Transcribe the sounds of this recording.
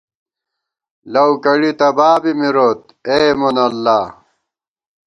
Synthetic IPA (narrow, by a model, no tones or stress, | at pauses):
lɐwkɐɽit̪ɐbaːbimiɾoːt̪ | eːmonɐlːaː